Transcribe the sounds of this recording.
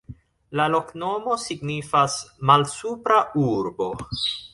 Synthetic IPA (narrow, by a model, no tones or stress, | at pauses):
lalo̞kno̞mo̞siɡnifasmalsupɾauɾbo̞